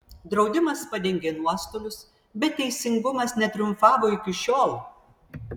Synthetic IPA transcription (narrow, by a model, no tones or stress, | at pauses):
d̪ɾɒʊd̪ʲɪmɐspɐd̪ʲɛŋʲɡʲeːnuɔst̪oːlʲʊs | bʲɛt̪ʲːɛɪsʲɪŋɡʊmɐsnʲɛt̪ʲɾʲʊmfɑːʋoːɪkʲɪʃʲoːlˠ